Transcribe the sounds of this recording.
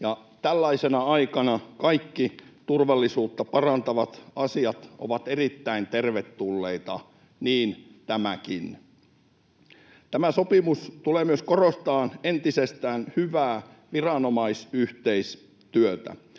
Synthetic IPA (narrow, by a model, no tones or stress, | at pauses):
jɑt̪ælːæisenɑɑikɑnɑkɑikːit̪urʋɑlːisuːt̪ːɑpɑrɑnt̪ɑʋɑt̪ɑsiɑt̪ʔo̰ʋɑt̪erit̪ːæint̪erʋet̪ːulːeit̪ɑ | niːnt̪æmækin | t̪æmæsopimust̪uleːmyøskorost̪ɑːnent̪isest̪æːnhyʋæː | ʋirɑnomɑisyht̪eis | t̪yøt̪æ̰